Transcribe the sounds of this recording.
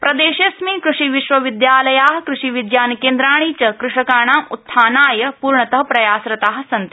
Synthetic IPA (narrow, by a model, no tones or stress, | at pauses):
pɾɐd̪eːʃesmikɾuʂiʋiʃʋɐʋid̪jaːlɐjaːɦkɾuʂiʋid̪jaːnkeːnd̪ɾaːɳ̃iːt͡ɕɐkɾuʂɐkaːɳ̃ãːʔut̪ʰːaːnaːjɐpuːɾɳɐt̪ɐɦɐpɾɐjaːsɾɐt̪aːɦsɐnt̪